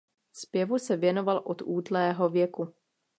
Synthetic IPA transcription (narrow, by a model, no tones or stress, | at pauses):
spjɛvusɛvjɛno̞valʔot̪uːdlɛːɦo̞vjɛku